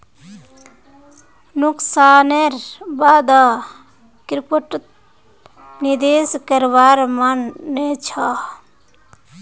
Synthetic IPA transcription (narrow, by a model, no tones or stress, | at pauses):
nuksaneɾbad̪a | kɾipəʈ̪ | nid̪eskəɾbaɾmanːet͡ʃʰa